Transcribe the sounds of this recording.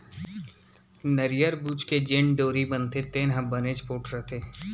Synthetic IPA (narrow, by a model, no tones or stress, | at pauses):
nəɾijəɾbuːt͡ʃked͡ʒeɳɖoːɾibənt̪et̪eːnɦãbəned͡ʒpoːʈʰɾəɦt̪ʰeː